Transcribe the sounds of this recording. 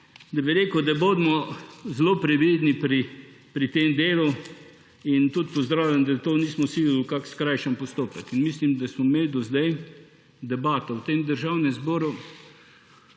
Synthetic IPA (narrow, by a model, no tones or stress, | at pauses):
d̪ɐbiɾeːkəwd̪abod̪mɔzloːpɾɛʋid̪nipɾipɾit̪emd̪eːlu | int̪ut̪pɔzd̪ɾaːwlʲjʲamd̪at̪oːniːsmɔsiɡlukakskɾajʃəmpɔst̪oːpəkinmislimd̪asmɔmeːld̪ɔzd̪aj | d̪ɛbaːt̪ɐwt̪emd̪əɾʒawnɛmzboːɾu